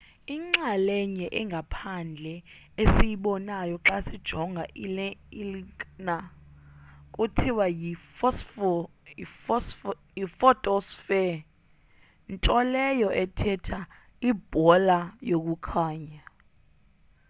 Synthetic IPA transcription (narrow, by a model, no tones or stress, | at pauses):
iŋ͡ǁalɛɲɛʔɛŋɡʱapʰand͡ɮʱɛ | esijiɓɔnajɔǁasid̥ʒ̥ʱɔŋɡʱaʔilɛilikna | kʼutʰiwaji | is | jifɔtʼɔsfɛ | ntʼɔlɛjɔʔɛtʰɛtʰa | ib̥ʱɔlajok̬ʼukʰaːɲa